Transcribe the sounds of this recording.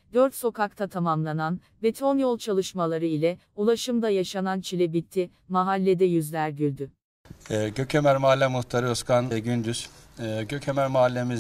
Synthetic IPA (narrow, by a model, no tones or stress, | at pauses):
d̪øɾt̪so̞kak̚t̪ʰat̪ʰamamlˠanan | bet̪ʰo̞njolˠt͡ʃʰalˠɯʃmalˠaɾɯilʲɛ | ulˠaʃɯmd̪ajaʃanant͡ʃʰilʲɛbit̪ʰːi | maɦalʲːed̪ɛjyzlʲæɾɟylʲd̪yː | ɟøcʰemæɾmaalʲːɛmuxt̪ʰaɾɯɯskʰanɟynd̪yz̥ | ɟøcʰemæɾmaɦalʲːemi